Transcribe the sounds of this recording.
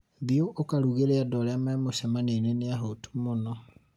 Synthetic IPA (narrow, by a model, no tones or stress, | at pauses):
ðioʔokaɾuɣeɾeadɔɾeamamoɕɛmaneneneaɦotu̥monɔ